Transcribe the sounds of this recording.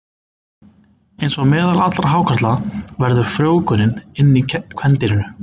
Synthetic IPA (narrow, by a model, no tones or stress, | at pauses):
ejnsɔɣmɛːðalat̪laɾ̥ɦaːwkʰaɾt̪lavɛɾðʏ̥fɾjoːwkʏnɪnɪnːikʰvɛnt̪ɪnɪnʏ